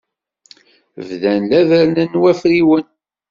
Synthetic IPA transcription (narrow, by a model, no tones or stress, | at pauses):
vðænlæðænənwæfɾiwən